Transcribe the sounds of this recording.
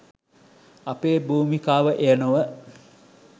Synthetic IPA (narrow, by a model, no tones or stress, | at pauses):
apeːbuːmikaːʋəʔejənuʋə